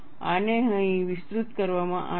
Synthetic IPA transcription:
aneɦə̃ĩʋɪsɾut̪kəɾʋamãʔa

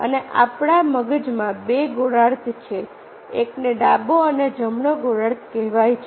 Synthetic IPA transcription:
ə̰neʔa̰pɽ̃aməɡəd͡ʒmãbeɡoɽaɾt̪t͡ʃʰe | ekneɖaboəned͡ʒəmɳəɡoɽaɾt̪kɛɦʋajt͡ʃʰ

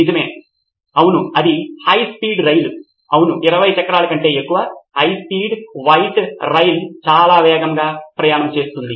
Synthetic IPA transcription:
nid͡ʒɐmeː | ɐwunuɐd̪ihɐjspiːɖɾɐjlu | ɐwunuʔiɾɐʋɐjt͡ʃɐkːɐɾaːlɐkɐɳʈe̞ːekːuʋɐhɐjspiːɖʋɐjʈɾɐjlt͡ʃaːlaːʋɛːɡɐŋɡaːpɾɐjaːɳɐmt͡ʃe̞ːst̪und̪i

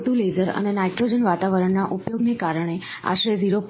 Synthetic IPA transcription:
ʈuled͡zəɾə̰nenajʈɾod͡ʑənʋat̪aʋəɾəɳnaʔupjoɡnekaɾəɳ̃e | a̰ʃɾed͡ziɾop

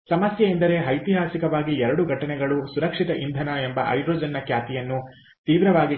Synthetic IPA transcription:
sɐmɐsjɐend̪ɐɾe̞ɦɐjt̪iɦaːsikɐʋaːɡiɛɾɐɽuɡʱɐʈɐnɛɡɐɭusuɾɐkʂit̪ɐʔind̪ʱɐnɐembɐʔɐ̰jdɾoːd͡ʒɐnːɐkjaːt̪ijɐnːu | t̪iːʋɾɐʋaːɡi

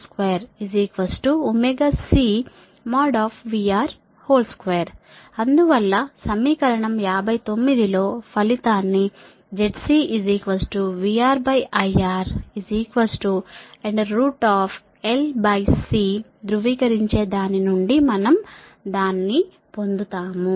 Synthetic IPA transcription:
skʋeːɐɾiziːkʋɐsʈuumɛɡasiː | maːɖaːpʰʋiːaːɾ | hoːlskʋeːɐɾ | ɐnd̪uʋɐlːɐsɐmiːkɐɾɐɳɐmjaːbʱɐjt̪o̞mːid̪ilo̞ːpʰɐlit̪aːnːi | d͡ʒeʈsiːʔid͡ʒiːkʋɐsʈuʋiaːɾbɐjʔɐjaːɾiziːkʋɐsʈueɳɖːuːʈaːpʰ | elbɐjsiːd̪ɾuʋiːkɐɾiɲt͡ʃe̞ːd̪aːninuɳɖimɐnɐmd̪aːnːi | po̞nd̪ut̪aːmu

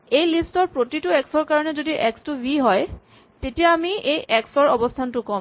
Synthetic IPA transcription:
ejlistɔɹpɹotitʊɛksɔɹkaɹɔnɛzodiʔɛkstʊbʱiɦɔj | tetijaːmiejʔɛksɔɹɔbɔstʰantʊkɔm

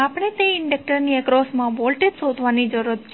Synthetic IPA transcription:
apɽ̃et̪eɪɳɖek̚ʈəɾniɛkɾɔsmãʋolʈeʈsod̪ʱʋanid͡ʒəɾət̪̚t͡ʃʰ

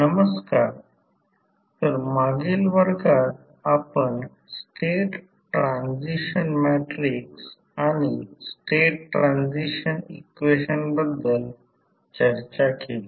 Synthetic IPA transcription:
nəməskaɾ | t̪əɾmaɡilʋəɾɡat̪ | apəɳ | sʈeʈ | ʈːɾansiɕənmæʈɾiks | añisʈeʈʈːɾãnd͡ʑiɕənḭkʋeɕənbəd̪ːəl | t͡ɕəɾt͡ɕakeli

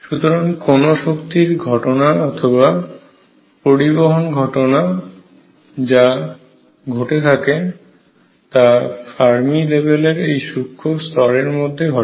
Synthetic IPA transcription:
ʃut̪oɾaŋkonoʃokt̪iɾɡʱɔʈonaɔt̪ʰoβa | poɾiboɦonɡʱɔʈona | d͡ʑa | ɡʱoʈet̪ʰake | t̪afaɾmilebeleɾejʃukʰːost̪ɔɾeɾmod̪ʱːeɡʱɔ

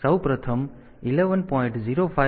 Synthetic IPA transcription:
səwpɾət̪ʰəm | ileʋənpɔĩɳʈziɾopʰa

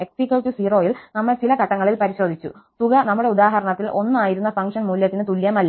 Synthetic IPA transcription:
eksikʲːɐlʈusiːro̞ːjilnɐmːɐɭt͡ɕilɐkɐʈːɐŋːɐɭilpɐɾiɕo̞ːd̪ʱit͡ɕːṵst̪uɣɐnɐmːuɽe̞ud̪aːɦɐɾɐɳɐt̪ːilʔo̞nːɨaːjiɾunːɐfɐŋkʂɐnmuːljɐt̪ːinɨt̪uljɐmɐlː

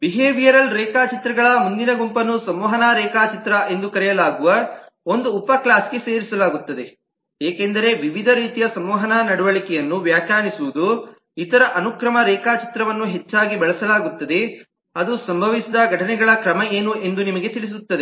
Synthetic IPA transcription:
biɦeːʋijɐɾɐlɾɛːkaːt͡ʃit̪ɾɐɡɐɭɐmund̪inɐɡumpɐnusɐmɔːɦɐnaːɾɛːkaːt͡ʃit̪ɾɐʔe̞nd̪ukɐɾɛjɐlaːɡuʋɐ | o̞nd̪uːpɐklaːsɡeseːɾisɐlaːɡut̪ːɐd̪e̞ | eːkend̪ɐɾe̞ʋiʋid̪ʱɐɾiːt̪ijɐsɐmɔːɦɐnaːnɐɽuʋɐɭikɛjɐnːuʋjaːkjaːnisuʋud̪u | it̪ɐɾɐʔɐnukɾɐmɐɾɛːkaːt͡ʃi̥t̪ɾɐʋɐnːuɦe̞t͡ʃːaːɡibɛɭɐsɐlaːɡut̪ːɐd̪e̞ | ɐd̪usɐmbʱɐʋisid̪ɐɡʱɐʈɐnɛɡɐɭɐkɾɐmɐeːnuʔe̞nd̪unimɐɡe̞t̪iɭis̬ut̪ːɐd̪e

